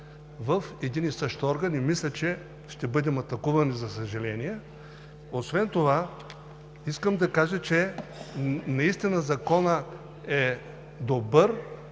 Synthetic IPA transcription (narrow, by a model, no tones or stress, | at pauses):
vɐfɛd̪inisɤʃt̪ɔɾɡɐnimislʲɐt͡ʃɛ | ʃt̪ɛbɤd̪ɛmɐt̪ɐkuvɐnizɐsɐʒɐlɛnijɛ | osvɛnt̪ova | iskəmd̪ɐkaʒət͡ʃɛ | nɐist̪inəzɐkɔnə | ɛ | d̪obəɾ